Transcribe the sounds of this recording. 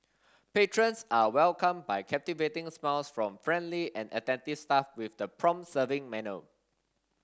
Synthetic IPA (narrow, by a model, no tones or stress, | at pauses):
petɹə̃nsawɛlkə̃mbajkʰɛp̚tivetɪ̃ŋsmɛlsfɹɔ̃mfɹɛ̃ndliʔɛ̃nə̰tɛ̃ntiv̥stafwɪfdəpʰɹɔ̃msəvɪ̃ŋmɛnə